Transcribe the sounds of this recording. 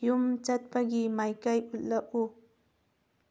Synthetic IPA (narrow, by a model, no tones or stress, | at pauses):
jʊmt͡ʃat̪̚paɡimajkajʊllaʔu